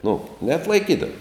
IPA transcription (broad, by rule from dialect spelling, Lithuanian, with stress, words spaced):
nʊ nʲɛɐtlˠɐɪˈkʲiːdɐʋoː